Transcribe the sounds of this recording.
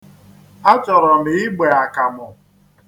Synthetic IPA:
a˦t͡ʃɔ˨ɾɔ˨m̩˨ɪ˦ɡ͡be˨a˨ka˨mɔ˨

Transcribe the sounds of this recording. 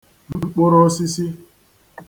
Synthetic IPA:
m̩˦k͡pʊ˦ɾɔ˦si˦si˦

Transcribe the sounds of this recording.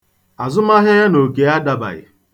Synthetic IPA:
a˨zʊ˦ma˦ɦɪ˦a˦no˨ɡe˨a˦da˨ba̰˨ɣɪ̰˨

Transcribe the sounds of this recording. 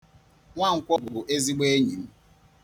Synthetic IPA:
ŋʷa˦ŋ̩˨kʷɔ˦bʊ˨bʊ˨ʔe˦zi˦ɡ͡be˦ɲi˨m̩˦

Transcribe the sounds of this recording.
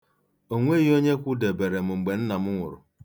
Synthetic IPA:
o˦˨ŋʷe˦ɣi˦o˦ɲe˦kʷu˦de˨be˨ɾe˨m̩˨ŋ͡m̩˨ɡ͡be˨n̩˦na˨m̩˦ŋʷʊ̰˨ɾʊ̰˨

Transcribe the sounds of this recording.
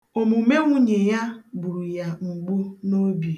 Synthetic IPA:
o˨mu˨me˦ŋʷu˦ɲe˨ja˦bu˨ɾu˨ja˦ŋ͡m̩˨ɡ͡bu˦no˦bje˨

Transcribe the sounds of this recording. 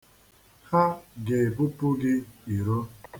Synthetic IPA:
ha˦ɡe˨bu˦pu˦ɡɪ˦i˨ɾo˦

